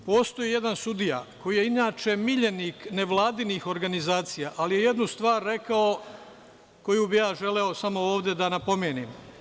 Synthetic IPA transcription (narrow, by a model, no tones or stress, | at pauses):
po̞ːst̪o̞jije̞d̪ansud̪ija̰ko̞jijeinaːt͡ʃe̞miʎe̞nikne̞ʋlˠaːd̪iniːxo̞ɾɡanizaːt̪sijaʔalije̞je̞d̪nust̪ʋaːɾːe̞kao | ko̞jubijaːʒe̞leosamo̞oːʋd̪e̞d̪anapo̞mjeːniːm